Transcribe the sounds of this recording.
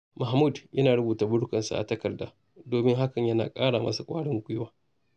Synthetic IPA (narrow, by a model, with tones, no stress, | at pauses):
ma˨hmu˦˨djʔɐ˦naː˨ɽʊ˦buː˨taː˨bʊ˦ɽkɐ˨nsa̰˨ʔa̰˨tɐ˦kɐ˨rda̰ː˦ | doː˨mɪ˦ŋɦa˦kɐ˨ɲjɐ˦na̰ː˨kʼaː˦ɽaː˨mɐ̰˦sa˨kʷʼaː˦ɽɪ˦ŋɡʷʊ˦jwaː˦